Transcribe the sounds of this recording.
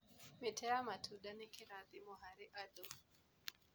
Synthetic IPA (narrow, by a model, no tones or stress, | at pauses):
mitʰɛamatʰuɗanikiɾaðimɔhaɾiʔaɗɔm